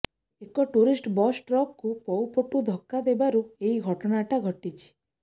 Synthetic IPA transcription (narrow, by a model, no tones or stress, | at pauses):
ekɔʈuɾisʈbɔsʈɾɔkkupɔwpɔʈud̪ʱɔkːad̪ebaɾueɦiɡʱɔʈɔɽaʈaɡʱɔʈit͡ʃʰi̥